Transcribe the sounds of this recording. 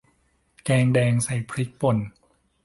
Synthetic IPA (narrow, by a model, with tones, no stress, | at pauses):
kɛː˧ŋdɛː˧ŋsa˨˩jpʰɾi˦˥k̚po˨˩n